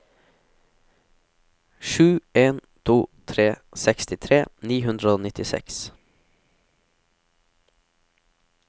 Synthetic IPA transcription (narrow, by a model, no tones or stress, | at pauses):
ʃʉːeːnt̪ʰuːt̪ʰɾeːsɛkst̪ɪt̪ʰɾeːniːɦʉnd̪ɾəoːnɪt̪ɪsɛ̰ks